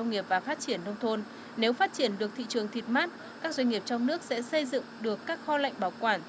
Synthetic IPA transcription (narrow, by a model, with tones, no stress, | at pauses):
ə˧wŋ͡mŋi˨˩əp̚vaː˨˩faː˦˥t̚t͡ɕi˧˩ənːə˧wŋ͡mt̪ʰo˧n | ne˨˦wfaː˦˥t̚t͡ɕi˧˩ənɗɨ˨˩ək̚t̪ʰḭ˧˨t͡ɕɨ˨˩əŋt̪ʰi˨˩t̚maː˦˥t̚ | kaː˦˥k̚zwə˧ŋ̟ŋi˨˩əp̚t͡ɕɔ˧wŋ͡mnɨ˦˥ək̚sɛ̰˧˥sə˧jzɨ̰˧˨ŋɗɨ˨˩əkːaː˦˥k̚xɔ˧la̰˧˨jŋ̟ɓaː˧˩wkwaː˧˩n